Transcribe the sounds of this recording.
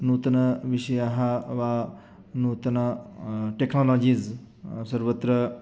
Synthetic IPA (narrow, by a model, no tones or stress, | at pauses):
nuːt̪ɐnɐʋiʃɐjaɦɐʋaː | nuːt̪ɐnɐʈeknoloːd͡ʒiz | sɐɾʋɐt̪ɾɐ